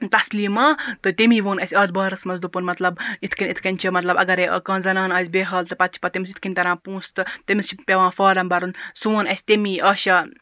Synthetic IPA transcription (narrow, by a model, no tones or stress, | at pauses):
t̪ɐsliːmãːt̪ɨt̪imiːʋoːnɐsʲɐːd̪̚bɐːɾɐsmɐnzd̪upunmɐt̪lɐbit̪ʰkinʲit̪ʰkɐnʲt͡ʃʰimɐt̪lɐbɐ̰ɡɐɾḛkɐ̃ːnzɐnaːnɐːzʲbeːɦɐlt̪ɨpɐt̪̚t͡ʃʰi̥pɐt̪imisit̪ʰkinʲt̪ɐɾãːpũːst̪ɨt̪imist͡ʃʰipʲeʋãːfɐːɾɐmbɐɾunsʋoːnɐsʲt̪imiʔɐːʃɐ